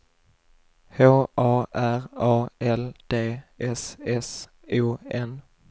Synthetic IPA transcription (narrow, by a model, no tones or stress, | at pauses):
hoːʔɑːʔæɾɑːɛld̪̥eːʔɛsɛs | uːɛn